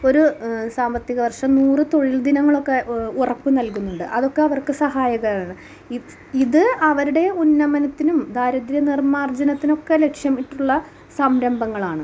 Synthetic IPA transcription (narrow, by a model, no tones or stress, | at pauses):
o̞ɾusaːmbɐt̪jiɐɣɐʋɐrʂɐmnuːrɨt̪o̞ɻild̪inɐŋːɐɭo̞kːe̞urɐpːɨnɐlkunːuɳɖɨʔɐðo̞kːeɐʋɐrkɨsɐɦaːjɐɣɐjaːɳɨ | i | iðɨɐʋɐɾuɽe̞unːɐmɐnɐt̪ːinumd̪ʱaːɾɐd̪ɾjɐnirmaːrd͡ʑɐnɐt̪ːino̞kːe̞le̞kʂjɐmiʈːuɭːɐ | sɐmɾɐmbɐŋːɐɭaːɳɨ